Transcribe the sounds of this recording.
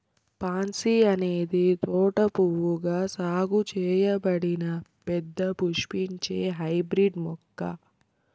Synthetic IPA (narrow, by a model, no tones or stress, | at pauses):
paːnsiɐneːd̪it̪ɔːʈɐpuwːuɡaːsaːɡut͡ʃɛːjɐbɐɽinɐpɛd̪ːɐpuʂpiɲt͡ʃeːɦɐjbɾiɖmɔkːɐ̰